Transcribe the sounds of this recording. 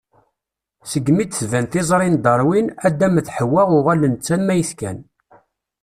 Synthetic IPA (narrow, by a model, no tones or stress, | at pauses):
səɡmid̪θvænt̪ɪzˤɾˤind̪ˤɑɾˤwinæd̪ːæməθħəwːæʁʊʁælənt͡sːænmæjəθkæ̰n